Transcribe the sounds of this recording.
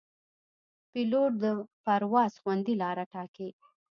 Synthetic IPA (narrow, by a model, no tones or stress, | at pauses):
piloʈ̚d̪əpaɾwɑzxwand̪ilɑɾaʈɑke